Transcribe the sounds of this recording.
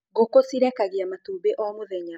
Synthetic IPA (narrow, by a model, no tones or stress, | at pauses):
ɣokosiɾɛkaɣiamatuːbeʔɔmoðɛɲa